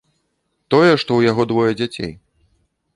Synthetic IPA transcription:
t̪ɔjɛʂt̪ɔwjaɣɔd̪vɔjɛd͡zʲat͡sʲḛj

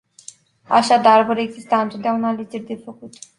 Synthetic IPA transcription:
a̰ʃad̪arvoɾe̞ɡzist̪aɨnt̪o̞t̪d̪aunaːle̞d͡ʒe̞rʲd̪e̞fəkut̪

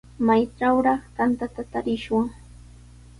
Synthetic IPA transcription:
majʈ͡ʂawɾɑχt̪ant̪at̪at̪aɾɪʃwaŋ

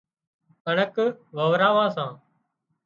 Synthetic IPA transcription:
əɳəkʋəʋɾaːʋãːsãː

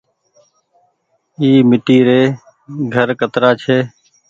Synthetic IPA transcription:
iːmɪʈiːɾeː | ɡʱəɾkət̪ɾaːt͡ʃʰeː

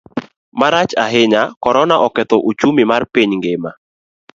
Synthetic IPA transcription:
maɾat͡ʃaɦɪɲakɔɾɔnaʔɔkɛt̪ɔʔot͡ʃumimarpiɲŋɡema

